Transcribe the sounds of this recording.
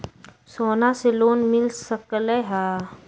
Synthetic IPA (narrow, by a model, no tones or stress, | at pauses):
soːnaseloːnmɪlsəkleɦaː